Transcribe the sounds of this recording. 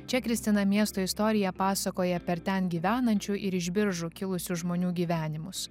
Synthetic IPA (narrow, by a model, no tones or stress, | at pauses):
t͡ʃʲɛkɾʲɪsʲt̪ʲɪnɐmʲiɛst̪oːɪst̪ɔːɾʲɪjɛpɑːsɐkoːjɛpʲɛɾt̪ʲɛnɡʲiːʋʲæːnɐnʲt͡ʃʲʊʔɪɾɪʒʲbʲɪɾʒʊkʲɪlˠʊsʲʊʒmoːnʲuːɡʲiːʋʲæːnʲɪmʊs